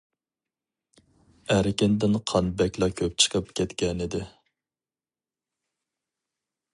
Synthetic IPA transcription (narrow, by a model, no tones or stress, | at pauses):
æɾɪkʲɪnd̪ɪnqʰɑnbɛkʲlˠɑkʲʰøp̚t͡ʃʰə̥qʰəpkʲʰɛt̪kʲɛnɪd̪ɪ